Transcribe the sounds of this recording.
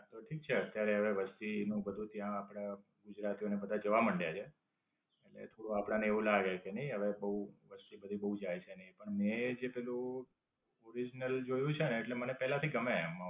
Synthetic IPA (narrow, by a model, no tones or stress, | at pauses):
t̪oʈʰik̚t͡ʃʰeət̪jaɾeɦəʋeʋəst̪inũbəd̪ʱũt̪jãːpɽ̃a | ɡud͡ʒɾat̪ionebəd̪ʱad͡ʒəʋaməɳɖjat͡ʃʰeː | ʈlḛt̪ʰoɽoapɽ̃aneeʋũlaɡekenəĩɦəʋebəɦuʋəst̪ibəd̪ʱibəɦud͡ʒajt͡ʃʰenəipəɳned͡ʒepɛlũ | oɾid͡ʒnəld͡ʒojũt͡ʃʰeneːʈlemənepɛɦlat̪ʰiɡəmemã